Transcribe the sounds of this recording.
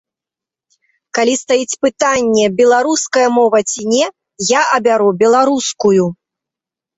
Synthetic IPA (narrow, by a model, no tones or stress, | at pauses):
kalʲist̪ajit͡sʲpɨt̪anʲːɛbʲɛlˠaɾuskɐjɐmɔvɐt͡sʲinʲɛ | jaʔɐbʲaɾubʲɛlˠaɾuskuju